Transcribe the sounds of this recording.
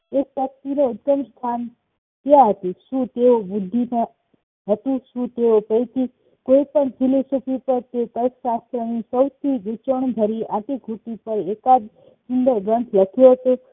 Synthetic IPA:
ek̚pək̚t̪ineʊt̪kəmst̪ʰan | t̪jaɦət̪iʃũt̪eobʊd̪ʱːinã | ɦət̪ũʃũt̪eopəjt̪i | koipəɳd͡ʒʰilisupʰipəɾt̪et̪əɾksast̪ɾənisəwt̪ʰid͡ʒut͡ʃəɳɡ̪ʱəɾiaʈ̪ikut̪ipəɾekad͡ʒ | sɪnɖ̪əɡə̃ɳʈʰləkʰjoɦət̪o

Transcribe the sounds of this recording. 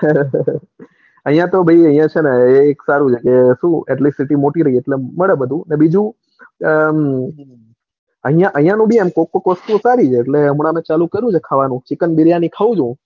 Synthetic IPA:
əɦijãt̪obʱəiəɦĩjãt͡ʃʰeneeːksaɾũt͡ʃʰekeʃũɛʈlisiʈimoʈiɾəɦieʈleməɭebəd̪ʱũnebid͡ʒũ | əɦĩjãʔəɦjãnũbʱiemkokːokʋəst̪ũsaɾit͡ʃʰeːʈleəmɽ̃amẽt͡ʃalũkəɾjũt͡ʃʰekʰaʋanũt͡ʃikənbiɾjanikʰaʋũd͡ʒũ

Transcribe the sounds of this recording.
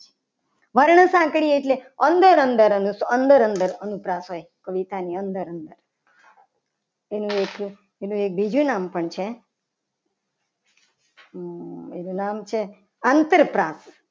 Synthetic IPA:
ʋəɾɳəsãːkɽieʈleənd̪əɾənd̪əɾənuənd̪əɾənd̪əɾənupɾasɦojkəʋit̪aniənd̪əɾənd̪əɾ | enũek | enũek̚bʱid͡ʒunampəɳt͡ʃʰe | enũnamt͡ʃʰe | ant̪əɾpɾas

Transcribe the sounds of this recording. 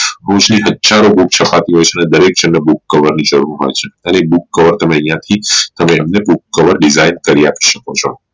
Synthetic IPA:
ɦəũt͡ʃniɦəd̪d͡ʒaɾobuk̚t͡ʃʰəpat̪iɦojt͡ʃʰeəned̪əɾek̚d͡ʒənːəbukːəʋəɾnid͡ʒəɾuɾɦɔ̰jt͡ʃʰe̥ənebukːəʋəɾt̪əmeə̃jãt̪ʰit̪əmeːmnebukːəʋəɾɖizainkəɾiaki̥ʃəkot͡ʃʰo

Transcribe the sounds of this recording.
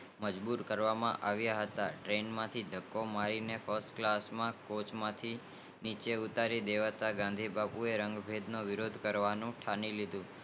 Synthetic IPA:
məd͡ʒbuɾkəɾʋamãʔaʋjaɦət̪aʈɾenmãt̪ʰid̪ʱəkːomaɾinefəɾsʈklasmãkot͡ʃmãt̪ʰi | nit͡ʃeut̪aɾid̪eʋat̪aɡãnd̪ʱibapueɾəŋɡbʱed̪noʋɪɾod̪ʱkəɾʋanũʈʰanilid̪ʱũ

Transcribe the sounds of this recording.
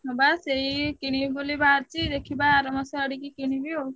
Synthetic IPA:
ɔbaseikiɽ̃ibibulibaɾt͡ʃid̪ekʰibaːɾɔmɔsaəɽikikiɽ̃ibio

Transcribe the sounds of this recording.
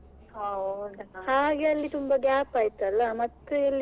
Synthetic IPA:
hɐwd̪haːɡeɐlːit̪umbɐɡaːpaːjt̪uɐlːɐmɐt̪ːuilːi

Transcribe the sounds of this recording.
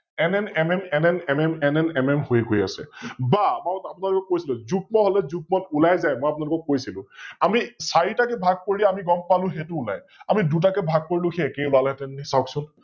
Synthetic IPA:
ɛnɛnɛmɛmɛmɛnɛmɛmɛnɛnɛmɛmhojɡoja̰sɛ̰bamatapunalʊkɔk̚ːojsilʊ̃zup̚mɔɦolɛzup̚mɔtulajzajmojap̬unalʊkɔk̚ːojsilʊ̰̃amisaɹitakɛbʱaɡ̚poɹilɛamiɡɔmpalʊ̃xetuːla̰j | amidut̬akɛbʱaɡ̚poɹilʊ̃xeːkejlalɦɛtɛnnisawksʊn

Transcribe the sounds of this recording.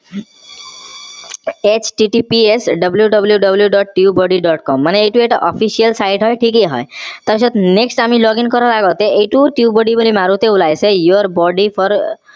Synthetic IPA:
et͡ɕʈiʈipiesɖʌbljuɖʌbljuɖʌbljuɖɔʈ̚ʈiubɔɖiɖɔʈkɔmːaneejʈueʈaʔɔpʰisiəlsajʈɦɔjʈʰikeɦɔ̰et̪abisɔt̪neksʈamilɔɡinkɔɾalaɡɔt̪eʔejʈuʈiubɔɖibolimaɾut̪eulajsejooɾbɔɖipʰɔɾ

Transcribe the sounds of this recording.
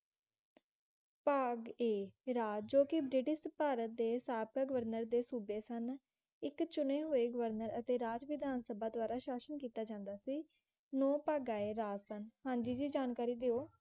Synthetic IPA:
paːɡeːɾaːd͡ʒoːkɪbɾɪʈɪʃpaːɾət̪̚d̪eːsaːb̚kaːɡəʋəɾnəɾd̪eːsuːbeːsən | ɪkt͡ʃʊneːɦoːeːɡəʋəɾnəɾət̪eːɾaːd͡ʒʋɪd̪ʱaːnsəbaːd̪ʊaːɾaːʃaːsənkiːt̪aːd͡ʒãːnd̪aːsiː | nõːpaːɡaːeːɾaːsənhãːɲd͡ʒiːd͡ʒiːd͡ʒaːnkaːɾiːd̪eːoː

